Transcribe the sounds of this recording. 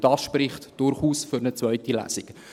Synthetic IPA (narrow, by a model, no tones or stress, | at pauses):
d̥ɑːsʃprɪχtd̥ʊɾχuːsfʏɾnət͡sʋœʏtilæ̰sɪk